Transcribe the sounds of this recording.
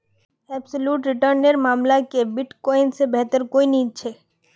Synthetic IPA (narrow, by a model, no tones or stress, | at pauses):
ɛːbsoluːʈɾɪʈəɾneɾmaːmlakebɪʈkɔːɪnsebɛɦt̪əɾkoːinĩt͡ʃʰe